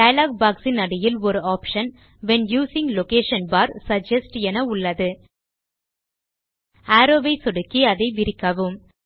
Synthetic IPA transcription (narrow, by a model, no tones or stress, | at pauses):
ɖɐjɐlaːɡ̚baːksɪnɐɽɪjɪlɔɾɯaːpʃɐn | ʋɛnjuːsɪ̃ŋɡlokeːʂɐnbaːɾsɐd͡ʒɐsʈɛnɐʊɭːɐðɯ | aːɾoːʋɐɪsɔɽɯkːiɐðɐɪʋɪɾɪkːɐʋɯm